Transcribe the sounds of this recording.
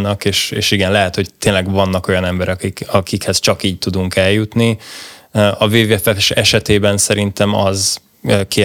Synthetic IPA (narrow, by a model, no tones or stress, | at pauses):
nːɒkeːʃḛːʃiɡɛnlɛɦɛt̪ho̞ct̪eːnlɛɡvɒnːɒko̞jɒnɛmbɛɾɛkikɒkikhɛzt͡ʃɒkiːc̚t̪ud̪uŋkɛljut̪ni | ɒveːvɛfɛʃɛʃɛt̪eːbɛnsɛɾint̪ɛmɒz | øːkeː